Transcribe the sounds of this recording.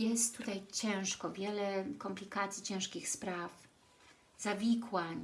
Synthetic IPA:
jɛst̪ːut̪ajt͡ɕɛ̃w̃ʂkɔvʲjɛlɛkɔmplʲikat̪sʲjit͡ɕɛ̃w̃ʂkʲixspɾaf | z̥avʲikwaɲ

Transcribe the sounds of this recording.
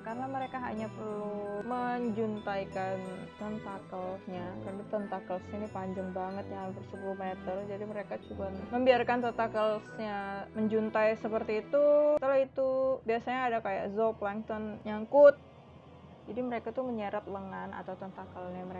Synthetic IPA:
kaɾənaməɾekaɦa̰ɲapərluməɲd͡ʒunt̪ajkant̪ənt̪akəlɲakarnat̪ɔnt̪akəlsɲanipaɲd͡ʒaŋbaŋət̪̚japərsəpuluhmet̪ərd͡ʒadiməɾekat͡ʃubaməmbiarkant̪ət̪akəlsɲaməɲd͡ʒunt̪ajsəpərt̪iːt̪ut̪əlait̪ubiasaɲaːdakaja̰ʔzɔplaŋt̪ɔnjaŋkut̪̚ | d͡ʒadiməɾekat̪uməɲəɾat̪̚ləŋana̰t̪awt̪ɔnt̪akəlɲaməɾe

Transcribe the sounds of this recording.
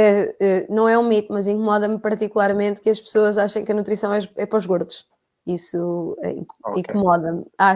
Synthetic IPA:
ɛɛnɐ̃w̃ɛũmit̪umɐzĩŋkumɔðɐmpɐɾt̪ikulˠaɾmẽnt̪kɨɐʃpsoɐzaʃɐ̃j̃kɐnut̪ɾisɐ̃w̃ɛɛpɾɔʒɣoɾðuʃ | isuɛ̰ḭ̃ĩkumɔðɐma

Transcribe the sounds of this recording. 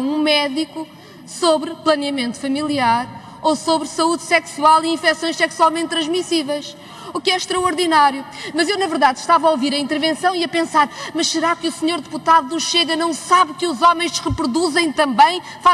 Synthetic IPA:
ũmɛðiku | soβɾplˠɐniɐmẽnt̪u̥fɐmilˠiaɾ | osoβɾsɐuðsɛksualˠiĩfɛsõj̃ʃsɛkswalˠmẽnt̪ːɾɐ̃ʒmisivɐʃ | ukɛʃt̪ɾɐɔɾðinaɾjumɐzewnɐvɨɾðaðʃt̪avɐoviɾɐĩnt̪ɨɾvẽsɐ̃w̃iɐpẽsaɾmɐʃsɨɾakɨusɲoɾðɨput̪aðunuʃeɣɐnɐ̃w̃saβkɨuzɔmɐ̃j̃ʃʁɨpɾuðuzɐ̃j̃t̪ɐ̃mbɐ̃j̃ | fa

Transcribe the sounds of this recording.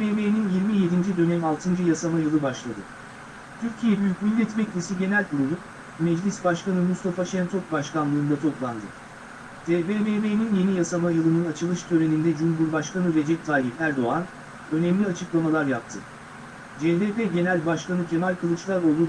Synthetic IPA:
ebeninjiɾmije̞d̪ind͡ʒid̪ø̞nɛmalˠt̪ʰɯnd͡ʒɯjasamajɯlˠɯbaʃlˠad̪ɯ | t̪ʰyɾcʰijɛbyjycʲmilʲːɛt̪bɛclʲesiɟe̞nælʲbuɾunup | mɛd͡ʒlʲisbaʃkanɯmust̪ʰafaʃɛnt̪ʰok̚baʃkanlˠɯːnd̪at̪ʰo̞plˠand̪ɯ̰ | d̪̥ʰebebebeninje̞nijasamajɯlˠɯnɯnat͡ʃʰɯlˠɯʃt̪ʰø̞ɾe̞nind̪ɛd͡ʒumɦuɾbaʃkanɯɾe̞d͡ʒɛt̚t̪ʰːaːlʲifæɾd̪o̞an | ø̞nɛmlʲiat͡ʃʰɯklˠamalˠaɾjap̚t̪ʰɯ | d͡ʒed̪eːpeɟe̞nælʲbaʃkanɯcʰe̞malʲkʰɯlˠɯt͡ʃlˠaɾo̞lˠd̪u

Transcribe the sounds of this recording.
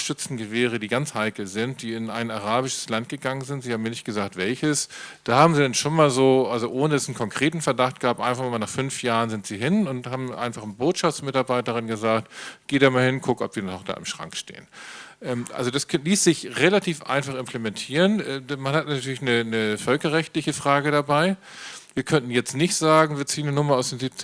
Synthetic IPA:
ʃʏt͡sn̩ɡəveːʁ̞ədiːɡant͡shaɪkl̩zɪnt̚d̥iːɪna̰ɪnaʁ̞aːbɪʃə̥slant̚ɡ̥əɡaŋənzɪntzihaːbm̩iːɐnɪçt̚ɡ̥əzaːk̚tv̥ɛlçəsd̥aːhaːbm̩ziːdɛnʃoːnmaːlzoːʔalzoʔoːnədasn̩kʰɔŋkʁ̥eːtn̩fɛɐdaχt̚ɡ̥aːp̚tʔa̰ɪnfaχmmaːlnaːχfʏnfjaːʁənzɪntz̥iːɦɪnʊnthaːbm̩ʔa̰ɪnfaχnboːtʃaft͡ssmɪtaɐbaɪtəʁɪnɡəzaːk̚tɡ̥eːdaːmaːlhɪnkʰʊkɔpv̥iːɐnɔnɔχd̥a̰ːʔɪ̰mʃʁ̥a̰ŋkʃtḛːənʔɛːmʔa̰lzodaskʰliːsz̥ɪçʁelatʰiːfʔa̰ɪnfaχɪmpʰlemɛntʰiːʁənɛːmanhatnatʰyːɐlɪçnənəfœlkɐʁɛçtlɪçəfʁ̥aːɡəɾabaɪ | viːɐkʰœntn̩jɛt͡stnɪçtz̥aːɡŋ̩viːɐt͡siːənənʊmɐaʊsd̥eːnziːp̚t͡s

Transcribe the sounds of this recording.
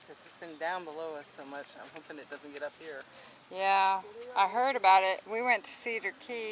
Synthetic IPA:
kʰʌzɨtsb̥ɨ̃ndãʊ̃nbəloʊʌsoʊmʌt͡ʃãɪ̃mɦoʊpɪ̃ŋɨt̚d̥ʌz̃n̩ɡɛɾʌp̚hiɹ | jæʔaɪɦɜ˞ɾɨbaʊɾɪt̚wiwɛ̃ntʰɨ̥siðə˞kʰi

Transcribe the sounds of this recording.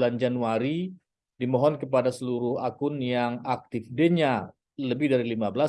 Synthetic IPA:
land͡ʒanuaɾi | dimɔɦɔnkəpadasəluɾʊhakʊnjaŋak̚t̪ɪfdeɲa | ləbɪhdaɾilimabəla

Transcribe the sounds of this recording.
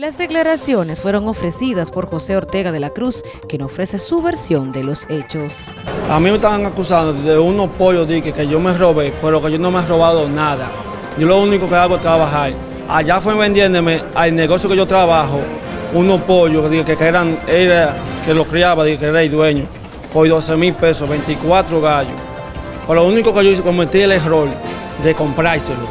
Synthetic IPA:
lazd̪e̞klaɾasjo̞ne̞sfwe̞ɾo̞ŋo̞fɾe̞siðaspo̞ɾxo̞se̞oɾt̪e̞ɣaðe̞lakɾus | kjenofɾe̞se̞suβe̞ɾsjo̞nd̪e̞lo̞se̞t͡ʃos | a̰mĩmest̪aβaŋakusand̪oðeunopo̞ʝoðiɣekeʝomero̞βepeɾokeʝonomearo̞βaðonaða | ɟ͡ʝolounikokeaɣwot̪ɾaβaɦaɾ | a̰ʝafweβend̪jend̪emealneɣosjokeʝot̪ɾaβaɦo | unopoʝod̪iɣekekeeɾaeɾakelokɾeaβaðiɣekeeɾaejðweɲo | pojðosemilpesosβent̪ikwat̪ɾoɣaʝo | peɾoounikokeokomet̪ieleɦɾol | d̪ekompɾajselo

